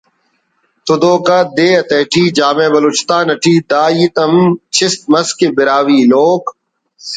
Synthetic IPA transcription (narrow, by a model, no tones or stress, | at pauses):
t̪ʊd̪oːkɐd̪eːɐt̪eːʈʰiːd͡ʒaːmẽːbɐloːt͡ʃɪ̥t̪aːnɐʈʰiːd̪aːjit̪ɐmt͡ʃʰɪst̪̚mɐskebɪɾaːʋiːloːk